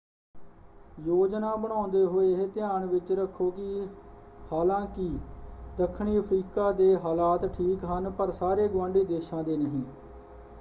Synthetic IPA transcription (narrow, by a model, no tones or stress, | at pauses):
joːd͡ʒnaːbəɽ̃ãːnd̪eːɦoːeːt̪ɪjaːɳʋɪt͡ʃɾəkʰːoːki | haːlãːkɪd̪əkʰːɳiːəpʰɾiːkaːd̪eːɦaːlaːt̪ʈʰiːkɦənpəɾsaːɾeːɡʊʋãːɳɖiːd̪eːʃãːd̪eːnəɦĩː